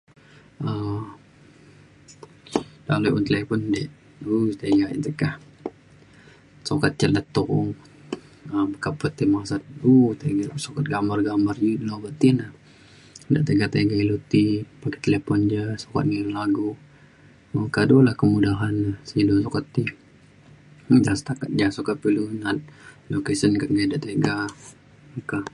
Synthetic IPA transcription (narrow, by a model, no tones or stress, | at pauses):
əm | lalujʔunt̪əlepɔndeʔ | ut̪eɡaḭt̪əkah | sokat̪̚t͡ʃələt̪ɔʔŋ | əbəkapːət̪imasat̪̚ut̪eɡasokat̪̚ɡambarɡambarjulobət̪inah | da̰ʔt̪eɡat̪eɡailut̪ipake̥t̪elepɔnd͡ʒasoka̰t̪̚ŋiŋlaɡu | məkadolahkəmudaɦanːahsilusokat̪ːi | dasə̥t̪akat̪̚d͡ʒasokat̪̚pilunat̪̚lokesənkaɡadaʔt̪eɡa | əka